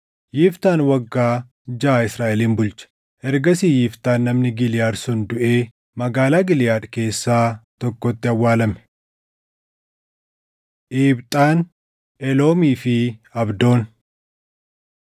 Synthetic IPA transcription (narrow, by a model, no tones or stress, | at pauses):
jɪft̪aːnwɐɡːaː | d͡ʒaːɪsɾaːʔɛliːnbʊlt͡ʃɐ̥ | ʔɛɾɡɐsiːjɪft̪aːnːɐmnɪɡɪlɪjaːɾsʊnd̪ʊʔe̞ː | mɐɡaːlaːɡɪljaːᶑke̞ːsːaːt̪ɔkːɔt̪ːɪɐwːaːlɐmɛ̥ | ʔiːbt̪ʼaːn | ʔɛlo̞ːmiːfɪɐbd̪o̞ːn